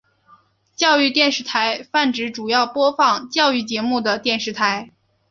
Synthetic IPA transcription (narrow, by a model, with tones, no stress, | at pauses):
t͡ɕjɑ˥˧ʊy˥˧t̪jɛ˥˧nʂɻ̩˥˩t̪ʰa˧˥ɪfa˥˩nʈ͡ʂɻ̩˧˥ʈ͡ʂu˨˩jɑ˥˩ʊpwɔ˥fɑ˥˩ŋt͡ɕjɑ˥˧ʊy˥˩t͡ɕjɛ˧˥mu˥˩d̪ə˩t̪jɛ˥˧nʂɻ̩˧˥˩t̪ʰa˧˥ɪ